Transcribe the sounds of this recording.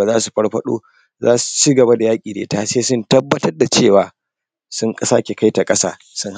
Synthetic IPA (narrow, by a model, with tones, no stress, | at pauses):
a˨zaː˦su˨ɸɐ˦ɽɸɐ˦ɗo̰ː˦ | zaː˦su̥˨t͡ʃiː˦ɡɐ˨ba˦da˨jaː˦kʲʼiː˨dḛː˨˦taː˦seː˦sʊ˦ntɐ˦bːɐ˦tɐ˦rda˨t͡ʃeː˦˨waː˨˦ | sʊ˦ŋkʼɐ˦saː˦kʲe˨ka˦jta˨kʼɐ˦sa̰ː˦ | sʊ˦ŋh